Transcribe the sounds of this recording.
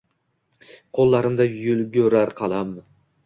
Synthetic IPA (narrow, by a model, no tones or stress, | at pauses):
qʰolˠːɑɾɪmd̪ajʊlɡʲɵɾaɾqʰɑlˠɑm